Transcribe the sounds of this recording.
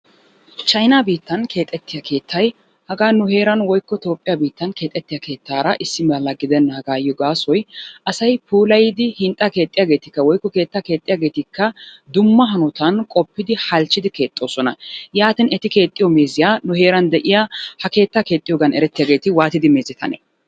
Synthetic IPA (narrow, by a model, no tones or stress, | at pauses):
t͡ʃɐjnaːbiːt̪ːɐnkʰe̞ːt̪ʼːɛt̪ːɪjakʰe̞ːt̪ʰːɐj | hɐɡaːnʊhe̞ːɾɐnwɔjkːɔt̪o̞ːpʼːɪjabiːt̪ːɐnke̞ːt̪ʼːɛt̪ːɪjɐke̞ːt̪ːaːɾɐʔɪsːɪmɐlːɐɡɪd̪ɛnːɐhɐɡaːjɔɡaːsɔjʔɐsɐjpʰuːlɐjɪd̪ɪhɪnt̪ʼːake̞ːt̪ʼːɪjaːɡe̞ːt̪ɪkːɐwɔjkːɔke̞ːt̪ːaːke̞ːt̪ʼɪjaːɡe̞ːt̪ɪkːɐ | d̪ʊmːɐɦɐnɔt̪ɐnkʼɔpːɪd̪ɪhɐlt͡ʃːɪd̪ɪke̞ːt̪ʼːo̞ːsɔnɐjaːt̪ɪnɛt̪ɪke̞ːt̪ʼːɪjɔme̞ːzɪjaːnʊhe̞ːɾɐnd̪ɛʔɪjahɐke̞ːt̪ːaːke̞ːt̪ʼːɪjoːɡɐnɛɾɛt̪ːɪjaːɡe̞ːt̪ɪwaːt̪ɪd̪ɪme̞ːzɪt̪ʰɐ̰nḛ